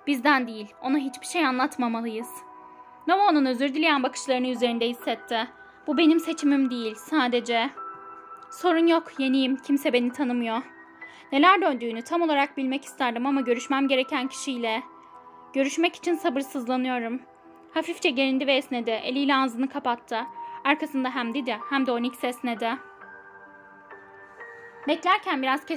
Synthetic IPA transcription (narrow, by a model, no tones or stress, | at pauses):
b̥izd̪ænd̪ijilʲo̞naɦit͡ʃbiʃe̞janlˠat̪mamalˠɯjɯz̥ | novonunø̞zyɾd̪ilʲejænbakɯ̥ʃlˠaɾɯnɯyze̞ɾind̪ɛɦisːɛt̪ʰːɪ | b̥ube̞nimse̞t͡ʃʰimimd̪ejilʲsaːd̪e̞d͡ʒɛ | so̞ɾunjokje̞nijimcʰimsɛbe̞nit̪ʰanɯmɯjo̞ | ne̞lʲæɾd̪ønd̪yːnyt̪ʰamo̞lˠaɾak̚bilʲmɛci̥st̪ʰæɾd̪ɯmamaɟø̞ɾyʃmæmɟe̞ɾecʰæncʰi̥ʃijlʲɛ | ɟ̥ø̞ɾyʃmɛci̥t͡ʃʰinsabɯɾsɯzlˠanɯjo̞ɾum | hafift͡ʃʰɛɟeɾind̪ivɛːsned̪ɛʔelʲijlʲɛazɯnɯkʰapat̪ʰːɯaɾkʰasɯnd̪aɦæmd̪id̪ɛhæmd̪ɛonicsɛsnɛd̪ɛ | bɛclʲæɾcʰænbiɾaz̥cʰɛ